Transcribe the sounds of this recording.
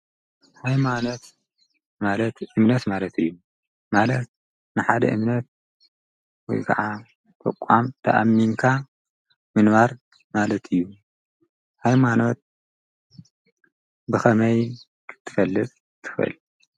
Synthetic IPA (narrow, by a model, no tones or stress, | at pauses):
hajmano̞t̪ | malɐt̪ʔɨmnɐt̪malɐt̪ʰɨjːu | malɐt̪̚ | nɨħad̪ɐ̰ʔɨmnɐt̪̚ | wɔ̰jkʰɐ̰ʕa | t̪ʰɐ̰kʷʼːamt̪ʰɐ̰ʔa̰mːinkʰa | mɨnβaɾ | malɐt̪ʰɨjːu | hajmano̞t̪̚ | bɨxɐmɐj | kʰɨ̥t̪ʰːɨ̥fɐlːɨt͡s̪ʼ | t̪ʰɨ̥xɨɨ̰l